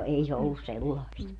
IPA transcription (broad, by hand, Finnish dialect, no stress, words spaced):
ei se olːus selːɑist